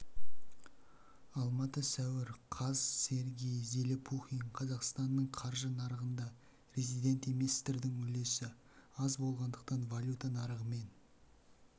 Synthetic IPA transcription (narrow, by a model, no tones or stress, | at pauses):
ɑlˠmɑt̪əsæwɪɾqʰɑzse̞ɾɡʲejze̞lepʰuχʲinqʰɑzɑqst̪ɑnːəɴqʰɑɾʒənɑɾəʁənd̪ɑ | pɾʲezijd̪ʲe̞nt̪e̞mest̪ɪɾd̪ɪŋɵle̞sɪ | ɑzbo̞lˠʁɑnd̪əqt̪ɑnvalʲjut̪anɑɾəʁəme̞n